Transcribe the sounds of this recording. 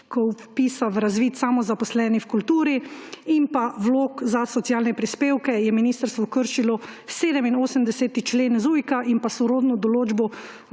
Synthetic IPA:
kɔwpiːsaʋɾazʋiːt̪samɔzapɔslɛːnixkult̪uːɾiimpawloːkzasɔt̪sijaːlnɛpɾispeːwkɛjɛminiːst̪əɾst̪ʋɔkəɾʃilɔseːd̪ɛminoːsəmd̪ɛseːt̪it͡ʃleːnzuːjkaʔinpasɔɾoːd̪nɔd̪ɔloːd͡ʒbɔ

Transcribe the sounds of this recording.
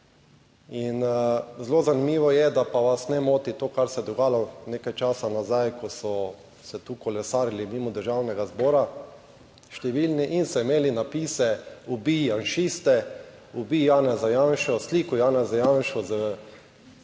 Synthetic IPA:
inzloːzanimiːʋɔjɛd̪apaʋasnɛmoːt̪it̪oːkaɾsɛd̪ɔɡaːjlanekajt͡ʃaːsanazajkɔsɔ | sɛt̪ukɔlɛsaːɾjlimiːmɔd̪əɾʒawnɛɡazbɔːɾa | ʃt̪ɛʋilniʔinsɔimeːlinapiːsɛubijanʃist̪ɛ | ubijaːnɛzajanʃɔsliːkʊjaːnɛzajanʃɔzə

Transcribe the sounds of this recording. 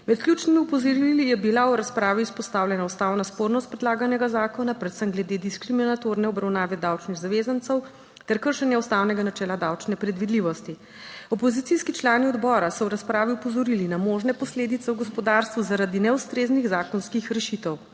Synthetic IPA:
mɛt̪klʲjʲut͡ʃnimiupɔzɔɾiilijɛbilaɔɾaspɾaːʋiuspɔst̪aːwlʲjɛnaust̪awnaspoɾnɔst̪̚pɾɛd̪laːɡanɛɡazaːkɔnapɾɛt̪səmɡlɛd̪ed̪iskɾiminat̪oɾnɛɔbɾawnaːʋɛd̪awt͡ʃniɣzaʋezant̪səw | t̪ɛɾkəɾʃɛnjɛust̪awnɛɡanat͡ʃɛːlad̪awt͡ʃnɛpɾɛd̪ʋid̪liʋɔst̪i | ɔpɔzit̪siskit͡ʃlaːniɔd̪bɔːɾasɔwɾaspɾaːʋiupɔzɔɾilinamoʒnɛpɔsleːd̪it̪sɛwɡɔspɔd̪aɾst̪ʋuzaɾad̪inɛust̪ɾezniɣzaːkɔnskixɾɛʃit̪ɛw

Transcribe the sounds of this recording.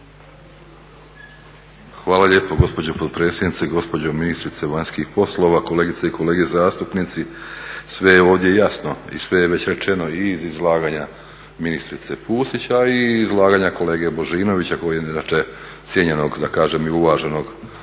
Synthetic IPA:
xʋaːlaʎe̞ːpo̞ɡo̞spo̞d͡ʑopot̪pɾeːsje̞d̪nit̪seɡo̞spo̞d͡ʑominist̪ɾit̪e̞ʋaɲskixpo̞slˠo̞ʋako̞leːɡit̪seikʰo̞leːɡezaːst̪upniːt̪sisʋe̞jeo̞ːʋd̪je̞jasno̞ḭsʋe̞jeʋe̞t͡ɕɾe̞t͡ʃe̞no̞izizlˠaːɡaːɲa | minist̪ɾit̪se̞puːsit͡ɕaiːzlˠaːɡaːɲako̞le̞ːɡe̞bo̞ʒiːno̞ʋit͡ɕako̞jieinat͡ʃe | t̪sʲjeɲe̞no̞ɡd̪akaːʒe̞miuʋaːʒe̞no̞ɡ

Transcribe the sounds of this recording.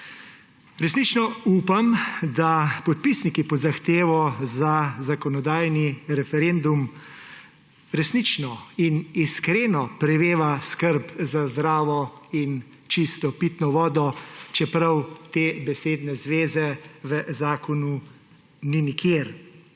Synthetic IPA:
ɾɛsnit͡ʃnɔuːpamd̪apɔt̪̚pisnikipɔd̪zaxt̪eːʋɔzazakɔnɔd̪aːjniɾɛfɛɾend̪um | ɾɛsnit͡ʃnɔiniskɾeːnɔpɾɛʋeːʋaskəɾpzazd̪ɾaːʋɔin | t͡ʃist̪ɔpit̪nɔʋɔːd̪ɔt͡ʃɛpɾɐwt̪eːbɛseːd̪nɛzʋeːzɛʋəzaːkɔnu | ninikʰeɾ

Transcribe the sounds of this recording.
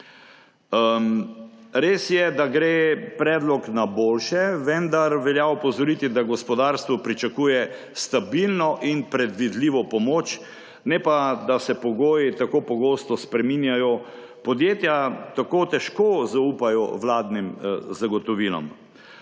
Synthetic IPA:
ɾeːsjɛd̪aɡɾeːpɾɛːd̪lɔknaboːlʃɛʋɛnd̪aɾʋɛljaɔpɔzɔɾit̪id̪aɡɔspɔd̪aːɾst̪ʋɔpɾit͡ʃakuːjɛ | st̪abilnɔʔinpɾɛd̪ʋid̪liːʋɔpɔmoːt͡ʃ | nɛpad̪asɛpɔɡoːjit̪akopɔɡoːst̪ɔspɾɛminjajɔ | pɔd̪jeːt̪jat̪akot̪ɛʃkozaupajɔʋlaːd̪nimzaɡɔt̪ɔʋilɔ̰m

